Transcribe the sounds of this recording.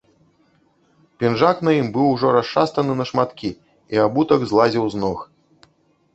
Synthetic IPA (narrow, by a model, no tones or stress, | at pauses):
pʲinʐaknɐjimbɨwuʐɔɾast͡ʂast̪ɐnɨnɐʂmat̪kʲi | iabut̪ɐɡzlˠazʲiwznɔx